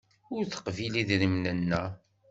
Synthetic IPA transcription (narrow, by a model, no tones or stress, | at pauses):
ʊɾθə̥qviliðɾimnənːæ